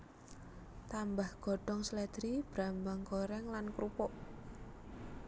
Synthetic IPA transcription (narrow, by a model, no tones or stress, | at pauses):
t̪ambahɡ̥ɔ̤ɖ̥ɔŋsəlɛd̪̥ɾib̥ɾambaŋkoɾɛŋlankɾupɔʔ